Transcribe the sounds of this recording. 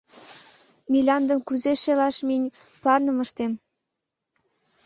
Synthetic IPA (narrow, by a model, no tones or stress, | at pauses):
milʲɑnd̪əmkuzeʃelɑʃminʲ | plɑrnəməʃt̪em